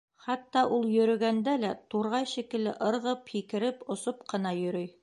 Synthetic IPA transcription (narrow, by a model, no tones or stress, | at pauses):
χɑt̪ːɑʔulˠjɵ̆ɾɵ̆ɡænd̪ælæt̪uɾʁɑjʃikɘ̆lɘ̰ʔɤ̆ɾʁɤphikɘ̆ɾɘpŏsopqɤ̆n̪ɑjɵ̆ɾɵj